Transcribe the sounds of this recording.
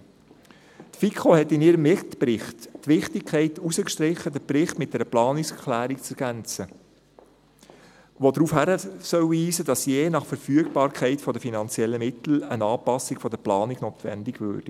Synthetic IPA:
t̪fikʰχohɛtːɪniːɾəmɪt̪prɪχtːʋɪχtɪkʰɛɪtusəkʃtɾɪχːədəbɾɪχt̪mɪt̚dɛɾəplɑːnɪkskʰlæːɾikt͡sɛɾɡ̥ænt͡sə | ʋod̪ɾufhæɾəsœwiːsəd̥ɑsjeːnɑχfəɾfyəɡ̚bɑːɾkʰɛɪtfɔd̪əfinɑnt͡siɛlːəmɪtl̩ənɑːpɑsɪɡfɔdəplɑːniɡnoːt̪ʋɛ̰ndɪɡʋø̰ːd̥i

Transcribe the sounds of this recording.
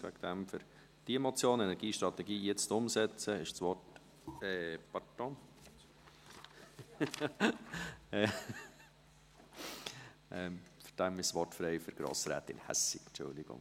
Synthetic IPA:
ʋæ̰ɡ̥d̪̥æmfʏɾ | d̥iɛmɔt͡sjoːnɛnɛɾɡiːʃt̪ɾɑt̪ɛɡiːjɛt͡stʊmsɛt͡səɪʃsʋɔrt | ɛpɑtɔn | ʔɛfyɾd̥æmɪʃsʋɔrtfɾɛɪfʏɾɡ̥ɾo̰ːsɾæ̰ːt̪ɪ̰nhæ̰sɪnt͡ʃʊ̰ld̪ɪɡ̥ʊ̰ŋ

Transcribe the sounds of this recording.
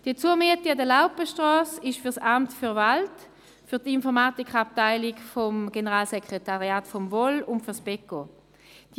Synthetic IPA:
d̥iːət͡suəmiətiadəlaʊpəʃtʁɔːsɪʃfyɐʁsamtfyɐvalt | fyɐtinfɔʁmaːtikʰχap̚taɪlɪkfɔmɡenəʁaːlsekʁ̥etaʁiaːtfɔmvɔlʊntfyʁsb̥ɛko | d̥

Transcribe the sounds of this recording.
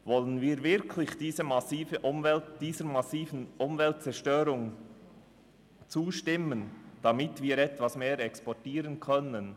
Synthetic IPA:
vɔlənviːɾvɪɐkʰlɪçd̥iːzəmasiːfəʔʊmvɛltd̥iːzəɾmasiːvən̩ʔʊmvɛlt̚t͡sɛɾʃtøːɾʊŋ | t͡suːʃtɪmənd̥amɪtviːɾɛtv̥asmeːɾɛkspɔtiːɾənkʰœnən

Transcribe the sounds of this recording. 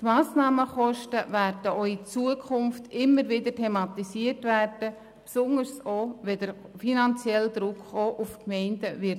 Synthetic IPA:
tmaːsnɑːməχɔʃtəværdəoit͡suəkʰʊnftɪmːəɾʋɪdətʰɛmɑt̪isiətværd̥ə | psʊnəɾsoʋɛdəɾ | finɑnt͡sjɛld̪ɾʊkχoʔufkmɛɪndəʋɪ

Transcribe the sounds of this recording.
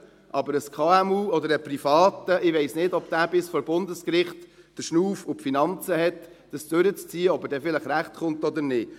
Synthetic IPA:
ʔɑbəɾəskʰɑːɛmuːɔd̪əɾəprifɑːt̪əʔɪʋeɪsnɪdɔb̥̚d̥̪æːbɪsfɔɾbʊndəskɾɪχt | d̥əɾʃnuːfʊpfinɑnt͡səɦɛt | d̥əsd̥ʉɾət͡st͡siːəɔbədɛfɪləχɾæχtχʊnt̪ɔd̪əɾnɪːt

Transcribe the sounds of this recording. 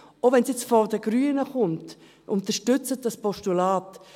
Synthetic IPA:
ovɛnsjɛt͡sfɔdəɡ̥ɾyənəχʊnt | ʔʊntəʃtʏt͡sət̚d̥ɑspɔʃtulaːt

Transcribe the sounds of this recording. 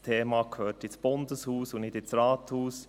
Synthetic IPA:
t̪ʰeːmɑkʰhøːtɪsb̥ʊndəshuːsʊnɪdɪt͡sɾɑːt̪huːs

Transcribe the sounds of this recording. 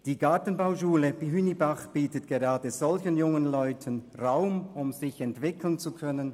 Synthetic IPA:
d̥iːɡaɐtn̩baʊʃuːləb̥iɦynibaχb̥iːtətɡ̥eʁaːdəz̥ɔlçənjʊŋənlɔʏtʰənʁaʊmʊmzɪçɛntv̥ɪkʰl̩nt͡sukʰœnən

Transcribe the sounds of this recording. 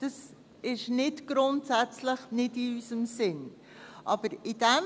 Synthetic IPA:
d̥ɑs | ɪʃnɪtɡ̥ɾʊntsæt͡sləχnɪdɪysəmsɪn | ʔɑb̥əɾɪdɛm

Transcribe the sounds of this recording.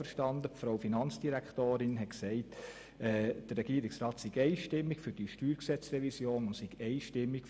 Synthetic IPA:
fəɾʃtɑnd̪əpfɾaʊfinɑnt͡sd̥iɾæktoːɾɪnɦɛtksɛɪt | ɛːd̥ərːɛɡ̥iəɾɪksɾɑːtsiɡɛɪʃtɪmːikfʏɾd̥iʃtyːɾksɛt͡srɛvisjoːnʊntsiɡɛɪʃtɪmːik

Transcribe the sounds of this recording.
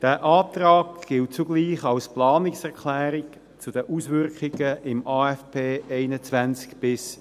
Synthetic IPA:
d̥æːʔaːtrɑːkɡ̥ɪlt̚t͡suɡliːχɑlsplɑːnɪksɛʁkʰlɛːɾɪk | t͡sud̥əʔuːsvʏrkχɪɡ̥əʔɪmʔɑːɛfpʰeːʔeɪnət͡svænt͡skb̥ɪs

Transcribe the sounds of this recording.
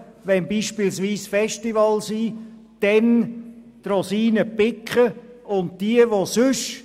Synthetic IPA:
ʋɛnbiːʃpilsʋiːsfɛʃtivɑlsiːd̥ɛn | trɔsiːnəpɪkχəʊnt̚d̥iəʋosʏʃ

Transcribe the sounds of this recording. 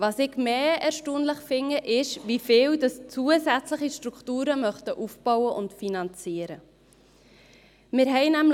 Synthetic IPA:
vɑːsɪɡmeːɛɾʃtuːnləχfɪŋːəʔɪʃvifɪːwdɑst͡suəsæt͡sləχiʃtɾukχtuːɾəmœχtəʔufb̥ɔwəʔʊntfinɑnt͡siːəɾə | mɪɾɦɛɪnæm

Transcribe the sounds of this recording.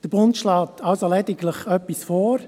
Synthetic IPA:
d̥əb̥ʊntʃlɑːtʰɑlsolɛdɪɡləχœpːisfɔːɾ

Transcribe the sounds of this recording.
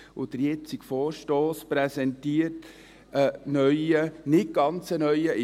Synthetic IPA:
ʊd̥̪əɾjɛt͡sɪkfoːɾʃtoːspɾɛsɛntiəɾt | ənœʏənɪt̚ɡ̥ɑnt͡sənœʏəʔɪ

